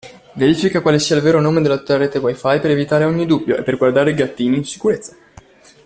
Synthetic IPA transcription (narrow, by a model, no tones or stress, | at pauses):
veɾiːfikakwaːlesiːailveːɾonoːmed̪elat̪ut̪ːaaɾeːt̪ewajfajpeɾevit̪aːɾeɔɲːid̪ubːjoʔḛpːerɡward̪aːɾeiɡat̪ːiːniːnsi̥kuɾet̪sːa